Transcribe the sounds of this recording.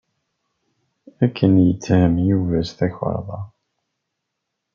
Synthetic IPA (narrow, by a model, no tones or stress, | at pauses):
ækːənjət͡sːhəmjuvæsθæçə̰ɾˤðˤɑ̰